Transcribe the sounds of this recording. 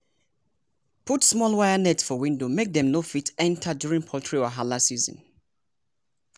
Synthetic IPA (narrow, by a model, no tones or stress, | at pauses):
pʰutsmɔlˠwajanɛtsfɔwĩndomek̚ðɛ̃mnofitɛ̃ntʰadjuɹĩŋpʰɔltʰɹiɔɦalasizɔ̰̃n